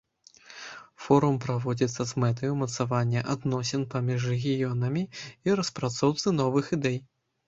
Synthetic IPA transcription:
fɔɾumpɾavɔd͡zʲit̪sːɐzmɛt̪ɐjumɐt̪savanʲːɐʔad̪nɔsʲɛnpamʲiʂ̬rɛɣʲijɔnɐmʲiiɾɐspɾat̪sɔwt̪sɨn̪ɔvɨxid̪ɛj

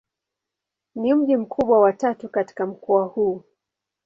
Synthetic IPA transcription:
nim̩ʄim̩kʰuɓwawatatukati̥kam̩kɔahuː

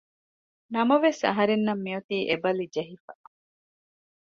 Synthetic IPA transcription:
nɐmɐʋesɐ̰ɦɐɾenːɐmːiɐt̪iːʔebɐlid͡ʒeɦifɐ

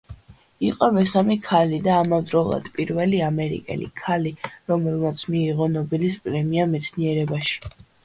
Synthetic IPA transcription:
iqʼɔmɛsamɛkʰalid̪aːmavd̪ɾɔlˠa̰d̪̥pʼiɾvɛliamɛɾḭkʼɛ̰lḭkʰaliɾɔmɛlˠmat̪sʰmiːʁɔnɔbilispʼɾɛmiamɛt̪sʰniɛɾɛbaʃi̥

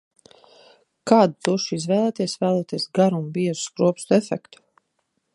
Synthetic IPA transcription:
kaːd̪t̪uʃizvɛːlˠɛːt̪iɛsvæːlˠɛːt̪iɛsɡaɾuumbiɛʒu̥skɾuɔpst̪ɛfɛkt̪u̥

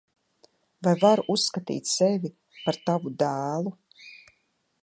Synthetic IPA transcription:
vajvaɾusːkat̪ḭːt̪ʲsɛvʲi | paɾt̪avud̪æːlˠu

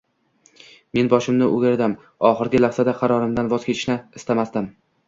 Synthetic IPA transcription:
me̞nbɒʃɪmnɪʔʊɡʲɾɪd̪am | ɒχɨɾɡʲɪlaχsad̪aqʰɑɾɒɾɪmd̪anvɒz̥kʲet͡ʃʰɪ̥ʃnɪɪst̪amasd̪ɪm

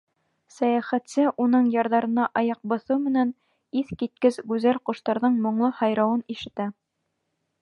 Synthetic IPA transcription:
sæjæχæt̪sɘʔunɤɴjɑɾðɑɾɤ̆nɑʔɑjɑq̚bɤ̆θumɘ̆næn | iθkit̪̚kɘzɡʉzælquʃt̪ɑɾðɤɴmŏɴlˠɤhɑjɾɑwɤniʃɘ̆t̪æ

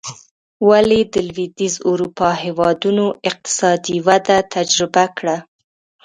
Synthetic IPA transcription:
waled̪əlwid̪izuɾupɑhewɑd̪unoɪq̚t̪ɪ̥sɑd̪iwad̪at̪ʰad͡ʒɾɪbakɽa

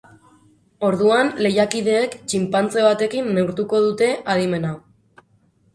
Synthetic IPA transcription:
o̞ɾðuanle̞jakið̞e̞ːkt͡ʃimpant͡se̞β̞at̪e̞kinːe̞uɾt̪uko̞ðut̪e̞ʔaðime̞na

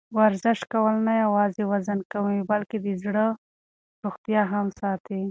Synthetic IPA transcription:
waɾzɪʃkawəlnajawɑzewazankawibalked̪əzɽə | ɾuxt̪jɑɦamsɑt̪i

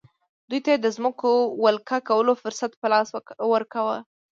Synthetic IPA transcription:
d̪ujt̪ajed̪əzməkowalkakawəlofʊɾsat̪pəlɑswəɾkawə

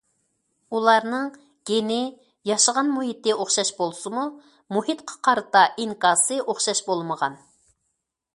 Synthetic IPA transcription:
ulˠɑɾnɨŋ | ɡ̥ʲenɪ | jɑʃəʁɑnmuɦit̪ɪʔoχʃɑʃbolˠsɨmu | muhit̪qʰɑ̥qʰɑɾɨt̪ɑʔiŋkɑːsɨʔoχʃɑʃbolˠməʁɑ̰n

